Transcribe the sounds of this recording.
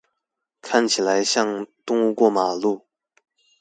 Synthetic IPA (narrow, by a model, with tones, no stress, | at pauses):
kʰa˥˩nt͡ɕʰi˨˩la˧˦ɪɕjɑ˥˧ŋt̪ʊ˥ŋu˥˧kwɔ˥˩ma˨˩lu˥˩